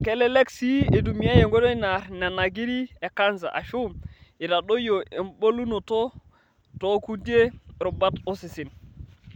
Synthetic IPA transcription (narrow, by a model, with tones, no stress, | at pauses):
kɛ˨˦lɛ˦lɛ˦ksi˦e˨du˨mi˨a˦je˨ŋɡo˦do˦i˦na˨ɾna˨na˨ɡi˦ɾi˦e˨ka˦nza̰˨ʔa̰˨ʃu˦mɪ˨ɾa˨do˦jo˨ʔe˨mbo˦lu˦no˨to˦ | to˨˦ku˦di˦e˦ɾo˨ba˦to˦si˨sɪ˨n